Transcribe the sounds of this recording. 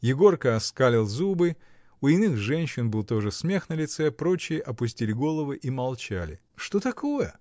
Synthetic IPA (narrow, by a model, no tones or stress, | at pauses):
jɪɡo̞rkəɐskalʲɪlˠzubɨ | ʊɪnɨxʐɛnʲɕːɪnbɨlˠt̪o̞ʐɨsmʲe̞xnəlʲɪt̪sɛpɾo̞t͡ɕɪjəʔɐpʊs̬ʲtʲilʲɪɡo̞lˠəvɨʔimɐlˠt͡ɕæ̰lʲɪ̰ | ʂt̪o̞t̪ɐko̞jə